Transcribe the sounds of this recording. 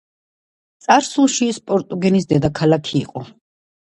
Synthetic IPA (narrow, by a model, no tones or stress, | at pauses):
t̪sʼaɾsulˠʃispʼɔɾt̪ʼuɡɛnis̬d̪ɛd̪akʰalakʰiːqʼɔ